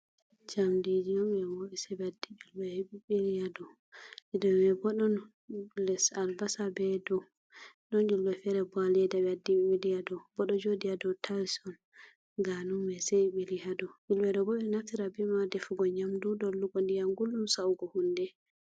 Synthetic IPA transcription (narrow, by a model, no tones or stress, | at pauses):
d͡ʒamdid͡ʒijɔmɛwoɗisɛbɛadːid͡ʒulbɛɓiɓilijadɔ | idɔmɛbɔɗɔn | lɛsalbasabɛdɔ | ɗɔnd͡ʒulbɛfɛɾɛbalɛdabɛadːiɓiɓilijadɔbɔɗɔd͡ʒodijadɔwtʰaɾisɔn | ɡanumɛsɛiɓilihadɔʔulbɛdɔbɔɓɛnaftiɾabimadɛfuɡɔɲamdudɔlːukɔndijanɡulɗumsawɡɔhundɛ